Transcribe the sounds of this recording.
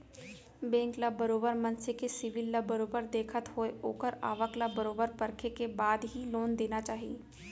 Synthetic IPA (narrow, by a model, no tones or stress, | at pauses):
bẽːŋklabɐɾoːbəɾmɐ̃nsekesɪʋɪlːabəɾoːbəɾd̪eːkʰət̪ɦoeoːkəɾa̰ːʋəklabəɾoːbəɾpɐɾkʰekebaːd̪ɦiloːnd̪eːnat͡ʃaːɦieː